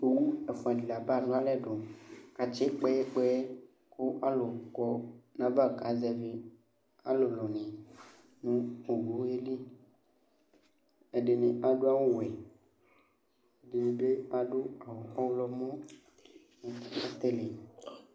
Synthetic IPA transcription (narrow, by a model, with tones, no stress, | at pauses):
e˨wu˦e˨fo˨a˨di˨la˨ba˦˨ɖo˦a˦lɛ˦ɖo˨ka˨t͡ʃe˦k͡pe˦e˦k͡pe˦ | ko˦ʔa˦lo˨kɔ˦nã˨ba˦˨ka˨˦zɛ˨ve˦ | a˦lo˨lɔ˨nĩ˨ | nũ˦o˨ɡo˨˦e˦li˦ | e˨ɖe˨nẽ˨a˨ɖo˦a˦wo˦wɛ˨ | de˨ɖe˦a˦ɖo˦a˨wo˨ɔ˦wlɔ˦mɔ̃˦ | nẽ˨˦a˦t̪e˦le˨